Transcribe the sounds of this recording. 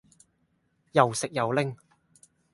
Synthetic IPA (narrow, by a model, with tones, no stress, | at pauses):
jɐ˨wsɪ˨k̚jɐ˨wlɪ˥ŋ